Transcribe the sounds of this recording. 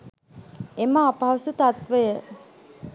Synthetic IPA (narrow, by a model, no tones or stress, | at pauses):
emaːpaɦɐsut̪at̪ʋəjə